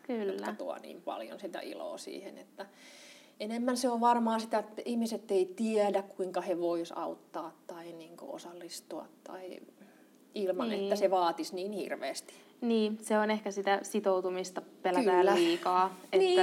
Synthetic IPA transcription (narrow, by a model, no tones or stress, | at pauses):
kyljoːækɑt̪uɑ̰nḭːmpɑ̰ljo̰nsit̪æ̰ʔḭlo̰ːsḭːhḛnḛt̪ːæ | enemːænseoʋʋɑrmɑːsit̪æt̪ːihmiset̪ːeit̪iɛdækkuiŋkɑheʋoisɑ̰ut̪ːɑːt̪tɑiniːŋko̰o̰sɑlːist̪uɑ̰t̪ːɑ̰i | ilmɑnḛtːæseʋɑːt̪isniːnhḭrʋḛːst̪i̥ | niːseonehkæsit̪æsit̪out̪umist̪ɑpelæææːlːæliːkɑːeniːæ